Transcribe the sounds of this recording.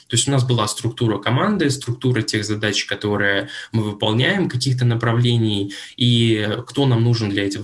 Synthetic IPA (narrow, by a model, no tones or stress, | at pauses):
t̪o̞ɪsʲtʲʊnasbɨlˠast̪ɾʊk̚t̪uɾəkɐmand̪ɨst̪ɾʊk̚t̪uɾətʲe̞ɣzɐd̪at͡ɕkɐt̪o̞ɾɨjəmɨvɨpɐlˠnʲæjɪmkɐkʲixt̪ənəpɾɐvlʲenʲɪjikt̪o̞namnuʐɨnd̪lʲɐɛtʲɪɣ